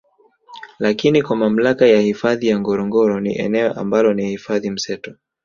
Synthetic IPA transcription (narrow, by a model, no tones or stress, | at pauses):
lakinikwamam̩lakajahifaðijaŋɡɔɾɔŋɡɔɾɔnḭʔɛ̰nɛɔʔa̰mbalɔnihifaðim̩sɛtɔ